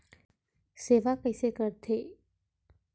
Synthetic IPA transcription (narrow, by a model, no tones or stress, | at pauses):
seʋakəjsekəɾt̪ʰe